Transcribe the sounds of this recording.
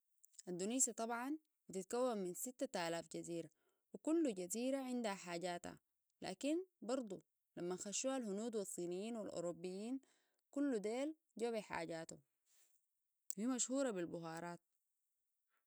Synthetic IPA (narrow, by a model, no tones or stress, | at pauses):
ʔand̪uniːsat̪ˤɑbʕɑn | bit̪it̪̚kawːamminsit̪ːat̪aːlaːfɟaziːɾa | wikulːuɟaziːɾaʕɪnd̪haħaːɟaːt̪ha̰ | la̰ːkinbɑɾˤd̪ˤu | lamːanxaʃːuːhalhunuːd̪wisˤːiːnijːiːnwilʔo̰ɾobːijːiːn | kulːud̪eːl | ɟaβiħa̰ːɟaːt̪u | fiːmaʃhuːɾˤɑbilbuɦɑːɾˤɑːt̪̚